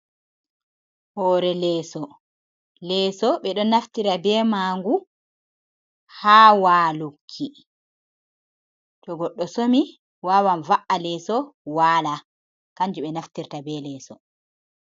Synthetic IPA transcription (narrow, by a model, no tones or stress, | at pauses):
hɔːɾɛlɛːsɔ | lɛːsɔɓɛɗɔnːaftiɾabɛːmaːŋɡu | haːwaːlukʰːi | tɔɡɔɗːɔsomi | waːwanvaʔalɛːsɔwaːla | kaɲd͡ʒuɓɛnaftiɾtabɛlɛːsɔ